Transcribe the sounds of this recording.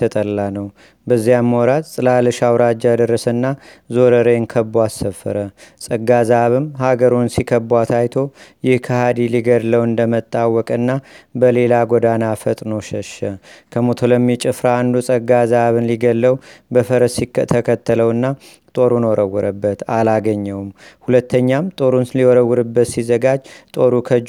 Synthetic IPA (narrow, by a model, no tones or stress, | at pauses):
ət̪ʼəlːanəw | bəzːijamːəwɾat̪ʼsʼɨlalɨʃawɾad͡ʒjad̪ərːəsənːazo̞ɾəɾeŋkʰəbuasəfːə̰ɾəsʼəɡːazaβɨmhaɡəɾunsikʰəbwat̪ʰajt̪ʰo̞jɪhkʰəhad̪iliɡəd̪ləwɨnd̪əmət̪ʼːawːɔkʼɨnːabəle̞laɡod̪anafət̪ʼnəwʃəʃəkʰəmot̪ʰolomːit͡ʃʼɪfɾaːnd̪usʼəɡazaβɨnliɡəlːəwbəfəɾəsikʰt̪ʰəkʰət̪ːələwɨnːa | t̪ʼo̞ɾunwɔɾəwːɨɾəbːət̪alaɡəɲːəwmhulət̪ːəɲːamt̪ʼo̞ɾunsliwɔɾəwːɨɾɨbːət̪sizəɡad͡ʒt̪ʼo̞ɾukʰəd͡ʒ